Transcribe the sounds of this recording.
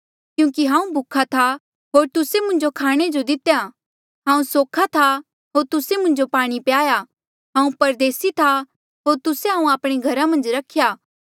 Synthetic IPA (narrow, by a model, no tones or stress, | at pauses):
kjũːkiɦãːũbʱʊkʰat̪ʰa | ɦoːɾt̪ʊsemʊ̃nd͡ʒokʰaːɽ̃ed͡ʒod̪ɪt̪eja | ɦãːũsoːkʰat̪ʰa | ɦoːɾt̪ʊsemʊ̃nd͡ʒopaːɽ̃ipjaːja | ɦãːũpɐɾd̪eːsit̪ʰa | ɦoːɾt̪ʊseɦãːũaːpɽ̃eɡʱɐɾamɐ̃nd͡ʒɾɐkʰjaː